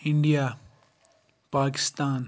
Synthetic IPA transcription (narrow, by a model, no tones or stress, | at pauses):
ɪɳɖijaː | paːkɪ̥st̪aːn